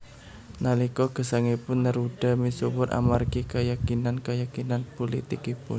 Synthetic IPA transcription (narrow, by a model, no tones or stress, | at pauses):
nalikɔɡ̥ə̤saŋipʊnːəɾuɖ̥a̤misuwʊɾʔa̰markikəjakinankəjakinanpolḭt̪ɪkipʊ̰n